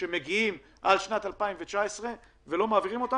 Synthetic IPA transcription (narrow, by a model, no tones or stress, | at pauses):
emeɡiim | ʔalʃnat̪alpaimvet͡ʃaesʁe̞ | velo̞maːviʁimo̞t̪a